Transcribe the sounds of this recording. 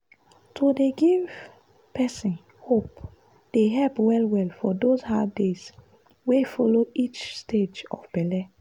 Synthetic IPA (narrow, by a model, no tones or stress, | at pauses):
tʰodeɡiv | pɛsĩn | hop | d̥eɦɛlpwɛlwɛlfɔdozhadez | wefɔloit͡ʃsted͡ʒɔ̰fbɛlɛ